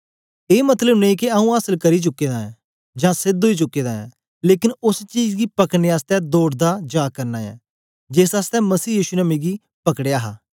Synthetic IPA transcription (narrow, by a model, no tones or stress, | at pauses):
eːmət̪ləbnekiaũːaːsəlkəɾit͡ʃʊkːeːd̪aːɛ̃ː | d͡ʒãːsɪd̪ʱɦoːiːt͡ʃʊkːeːd̪aːɛ̰̃ː | leːkɪnʊst͡ʃiːd͡ʒɡiːpəkneːaːst̪ɛːd̪oːɽd̪aːd͡ʒaːkəɾnaːjɛ̰ː | d͡ʒesaːst̪ɛ̃ːməsiːjiːʃunameːɡi | pɐkɽejaːɦaː